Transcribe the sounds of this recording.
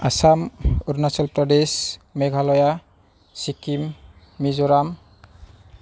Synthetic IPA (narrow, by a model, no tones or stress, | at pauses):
asamuɾnasɔlpɾɔdesmeɡʱalɔja | sikimː | izɔɾam